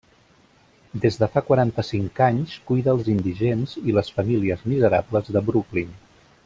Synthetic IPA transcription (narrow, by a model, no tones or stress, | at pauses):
d̪ezðəfakwaɾant̪əsiŋkaɲskujðəːlˠzind̪iʒenziləsfəmiliəzmizəɾa̰bləzðəbɾuklin